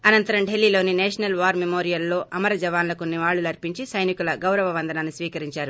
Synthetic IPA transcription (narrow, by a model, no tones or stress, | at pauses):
ɐnɐnt̪ɐɾɐmɖelːiːlo̞ːnineːʂɐnɐlʋaːɾmemoːɾijɐlːo̞ːʔɐmɐɾɐd͡ʒɐʋaːnlɐkonːiʋaːɭːulɐɾpiɲt͡ʃisɐjnikulɐɡɐwɾɐʋɐʋɐnd̪ʱɐnaːnisʋiːkɐɾiɲt͡ʃaːɾu